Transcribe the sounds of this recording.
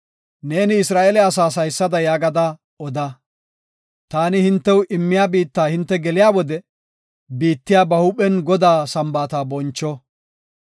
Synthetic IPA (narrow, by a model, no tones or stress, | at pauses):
ne̞ːnɪɪsɾaːʔɛlɛɐs̬aːs̬ɐjsːɐd̪ɐjaːɡɐd̪a | ɔd̪ɐ | t̪aːnɪhɪnt̪ːɛwʊʔɪmːɪjaːbiːt̪ːaːhɪnt̪ːɛɡɛlɪjaːwɔd̪ɛ | biːt̪ːɪjaːbɐhʊpʼɛnɡɔd̪aːsɐmbaːt̪aːbɔnt͡ʃːɔ